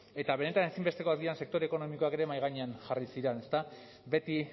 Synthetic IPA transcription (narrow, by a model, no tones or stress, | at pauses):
e̞t̪aβe̞ne̞t̪anesimbe̞st̪e̞ko̞azɡianse̞kt̪o̞ɾeko̞no̞miko̞ake̞ɾe̞majɣ̞aɲe̞anʝarisiɾene̞st̪a | be̞t̪i